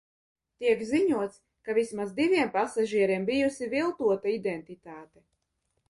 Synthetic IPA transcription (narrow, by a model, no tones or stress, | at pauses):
t̪iɛkziɲuɔt̪s | kavismazd̪ivʲiɛmpasaʒiɛɾiɛmbijusivilˠt̪uɔt̪aid̪ɛnt̪it̪aːt̪ɛ